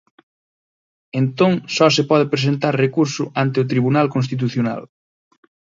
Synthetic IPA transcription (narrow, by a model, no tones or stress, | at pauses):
ent̪oŋsɔsepɔðɪpɾes̬ent̪aɾrekuɾsʊʔant̪ɪʊt̪ɾiβunalkõnst̪it̪̬uθjona̰l